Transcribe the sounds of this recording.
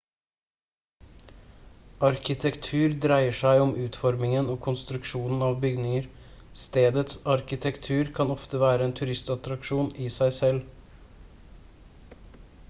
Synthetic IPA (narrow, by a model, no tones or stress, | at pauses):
ɑɾkɪt̪ʰɛkt̪ʰʉːɾd̪ɾæɪəʂæɪɔmʔʉːt̪fɔɾmɪŋənoːkʰʊnst̪ɾʉkʃuːnn̩ɑʋbʏɡnɪŋəɾ | st̪eːd̪ət̪sɑɾkɪt̪ʰɛkt̪ʰʉːɾkʰɑnɔft̪əʋæːɾəeːnt̪ʰʉɾɪst̪ɑt̪ɾɑkʃuːnɪsæɪsɛl